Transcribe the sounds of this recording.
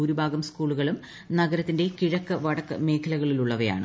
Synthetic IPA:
uːɾubʱaːɡɐmskuːɭuɣɐɭum | nɐɡɐɾɐt̪ːinde̞kiɻɐkːɨʋɐɽɐkːɨ̰me̞ːkʰɐlɐɣɐɭiluɭːɐʋɐja̰ːɳɨ̰

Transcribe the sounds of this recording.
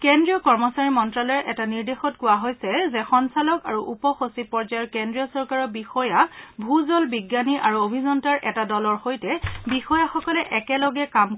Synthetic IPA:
kendɹiɔkɔɹmɔsaɹimɔntɹalɔɹʔɛtaniɹdexɔtkʊwaɦojsɛzɛxɔnsalɔkaɹuʔupɔxosipɔɹd͡ʒajɔɹkendɹiɔsɔɹkaɹɔbixɔjabʱuzɔlbiɡjaniʔaɹuobʱizɔntaɹʔɛtadɔlɔɹxojtɛbixɔjaxɔkɔlɛʔɛkɛlɔɡɛkam

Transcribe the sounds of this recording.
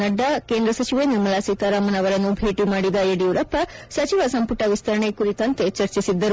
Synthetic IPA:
nɐɖːɐkeːnd̪ɾɐsɐt͡ʃiʋeniɾmɐlaːsik̪ɐɾaːmɐnɐʋɐɾɐnːubʱeːʈimaːɽid̪ɐeɽiuɾɐpːɐsɐt͡ʃiʋɐsɐmpuʈɐʋist̪ʰɐɾɐɳekuɾit̪ɐnt̪e̞t͡ʃɐɾt͡ʃisid̪ːɐɾu

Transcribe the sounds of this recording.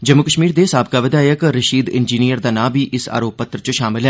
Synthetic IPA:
d͡ʒəmːʊkəʃmiːɾd̪esaːbkaːʋɪd̪aːjəkɾəʃiːd̪ɪ̰nd͡ʒiːnijəɾd̪aːnãːbʱiːʔɪsa̰ːɾoːpːət̪ɾət͡ʃəʃaːmɪlɦɛː

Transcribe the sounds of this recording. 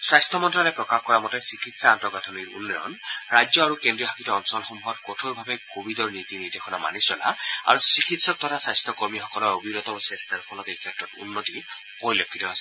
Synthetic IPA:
swajstʰɔmɔntɹalɔjpɹɔkaxkɔɹamɔtɛsikʰitsaːntɔɡatʰɔniɹṵnːɔjɔ̰nɹajd͡ʒɔaɹukendɹiɔɦakʰitɔɔnsɔlɔxɔmuɦɔtkɔtʰoɹbʱabɛkobidɔɹnit̪initexʰɔnama̰nisɔla̰a̰ɹusɹikʰitsɔk̚tɔɾasajst̪ʰɔkɔɹmixɔkɔlɔɹobiɹɔt̪ɔbɔsɛstʰaɹpʰɔlɔtejkʰɛtɹɔtṵnːoti | poɹilokʰːitɔasɛ̥

